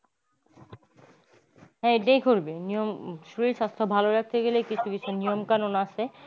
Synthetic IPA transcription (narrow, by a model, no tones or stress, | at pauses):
ɦɛ̃eʈajkoɾbenijomʃuɾiɾʃast̪ʰobʱaloɾak̚ʰt̪eɡelejkit͡ɕʰukit͡ɕʰunijomkanonaaʃʰe